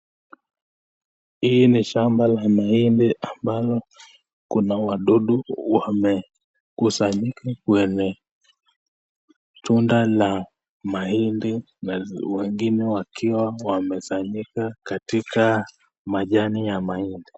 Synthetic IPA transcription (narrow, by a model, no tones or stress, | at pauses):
hiːniʃambalamaindiʔambalɔ | kunawaɗɔɗuwamɛ | kusaɲikakwɛɲɛ | tundala | mahindi | nawɛŋɡinɛwakʰiwawamɛfaɲikakatika | maʄanijamaindi